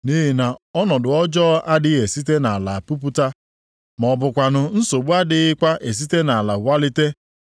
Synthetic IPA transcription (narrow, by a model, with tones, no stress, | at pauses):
ni˦ɦi˨na˨ɔ˦nɔ˨dʊ˨ɔ˦d͡ʒɔ˦a˦dɪ˦e˨si˦te˦na˨a˨la˨pu˦p̬u˦ta˦ | mɔ˨bʊ˨kʷa˨nʊ˨n̩˦so˨ɡ͡bu˦a˦dɪ˦ɪ˦kʷa˦ʔe˨s̬i˦te˦na˨a˨la˨wʷa˦lɪ˦te˦